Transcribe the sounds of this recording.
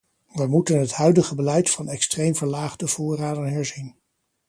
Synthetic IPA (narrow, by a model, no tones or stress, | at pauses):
ʋəmutənɦətɦœɥdəχəbəlɛjtfɑnɛkstrejmvəɹlaːχdəv̥ʊːraːdənɦɛɹzin